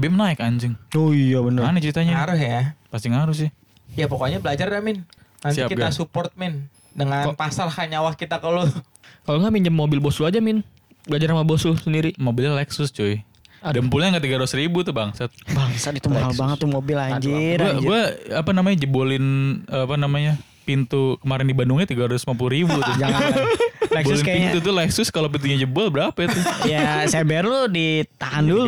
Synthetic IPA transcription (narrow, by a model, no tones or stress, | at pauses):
bɪhmənaɪkaɲd͡ʒɪŋojabənəanɛt͡ʃəɾit̪aɲaaɾʊsjapast̪iŋaɾʊs̬ja | japokoaɲabəlad͡ʒarjamɪn | nansiakiɡ̪asupɔrt̪̚mɪn | dəŋapasarhaɲawahkit̪akalo | kaloŋɡamiɲd͡ʒəmːobɪlbosluad͡ʒamɪn | bəlad͡ʒaɾamabosusəndiɾimobɪlɲalɛksʊst͡ʃoi | dampulɲaŋɡat̪iɡaɾuʊsɾibut̪ʊbaŋsat̪̚baŋsat̪it̪umaalbaŋət̪ːumobɪlad͡ʒiɾɡuaɡuaapanamaɲad͡ʒəbolɪnəapanamaɲa | pint̪ukəmaɾɪndibandʊŋɲat̪iɡaɾasmapuluɾibut̪ʊd͡ʒaŋa | lɛkbolɪnapint̪ut̪ʊlɛksʊskalopint̪uɲad͡ʒəbɔlbəɾapat̪ʊjaseberlʊdit̪aɦandul